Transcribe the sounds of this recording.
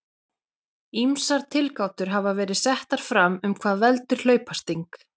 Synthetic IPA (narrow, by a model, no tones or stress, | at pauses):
imsaɾt̪ʰɪlkawt̪ʏɾɦavavɛːɾɪðsɛht̪aɾ̥fɾamʏmkʰvaːðvɛlt̪ʏɾ̥l̥œːɥpast̪iŋk